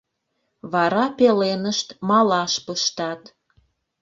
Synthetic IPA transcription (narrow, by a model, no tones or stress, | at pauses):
βɑɾɑpelenəʃt̪mɑlɑʃpəʃt̪ɑt̪